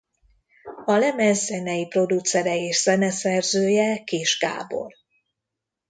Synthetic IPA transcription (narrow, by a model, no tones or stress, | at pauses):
ɒlɛmɛzːɛnɛjipro̞d̪ut̪sɛɾɛeːʃz̥ɛnɛsɛrzøːjɛkeːʃɡa̰ːbo̞̰r